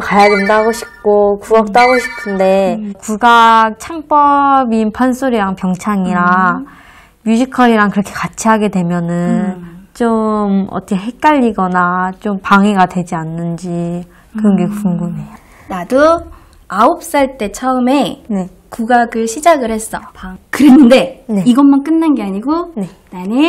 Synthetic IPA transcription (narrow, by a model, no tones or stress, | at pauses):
kajaɡɯndaɦaɡoɕʰi̥p̚k͈okuɡʌk̚t͈oɦaɡoɕʰi̥pʰɯnde̞kuɡak̚t͡ɕʰaŋp͈ʌbinpʰansʰoɾiɾaŋpjʌŋt͡ɕʰaŋiɾa | mjud͡ʑʰikʰʌɾiɾaŋkɯɾʌkʰekat͡ɕʰiɦaɡe̞dwe̞mjʌnɯnt͡ɕomʌ̰t͈ʰʌkʰe̞ɦe̞k̚k͈aʎːiɡʌnat͡ɕompaŋeɡadwe̞d͡ʑianːɯnd͡ʑi | kɯɾʌnɡeɡokuŋɡune̞a | nado | aop̚s͈aɭt͈e̞t͡ɕʰʌɯme̞ne̞ | kuɡaɡɯɭɕʰid͡ʑaɡɯɭhe̞s͈ʌkɯɾenːɯnde̞ne̞iɡʌnmank͈ɯnːanɡeaɲiɡone̞ | nane